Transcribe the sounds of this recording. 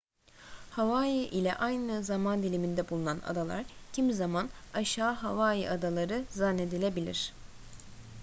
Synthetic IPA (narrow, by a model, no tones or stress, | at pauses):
havaːjiʔilʲɛ̰ʔajnɯzamand̪ilʲimind̪ɛbulˠunana̰d̪alˠa̰ɾcʰimzamanaʃaːɦavaːjiʔad̪alˠaɾɯzanːe̞d̪ilʲebilʲḭɾ̝̥